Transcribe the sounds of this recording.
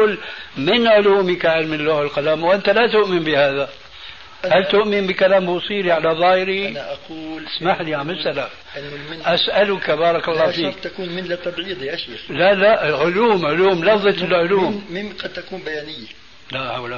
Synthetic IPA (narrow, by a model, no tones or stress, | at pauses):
lmɪnʕʊluːmikaʕɪlmɪnlːaːhɪlqɑlaːmwʔɪnt̪alat̪ʊʔmɪmbɪhaːða | halt̪ʊʔmɪmbikalaːmbusˤiːɾiʕalaðˤɑːhɪɾinʔquːsmaħliʕamɪsala | ʔanːɪʔasʔalʊkabɑːɾˤɑkɑlˤːɑːfiːt̪ːakuːnmɪnlat̪ːabʕiːd̪ˤijaʃexlalaʔɪlʕʊluːmʕʊluːmlɑfðˤɑt̪ɪlʕʊluːmmɪnqɑd̪̚t̪akuːnbajaːnɪjːa | lahawla